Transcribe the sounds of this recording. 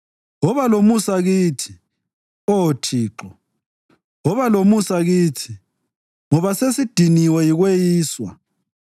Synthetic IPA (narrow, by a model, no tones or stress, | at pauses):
ɔβalomusaɣiːtʰi̥ | otʰiːǁɔ | ɔβalomusaɣiːtʰi | ŋɔβasesid̥ʱiniwɛjiɣwejiːswa̰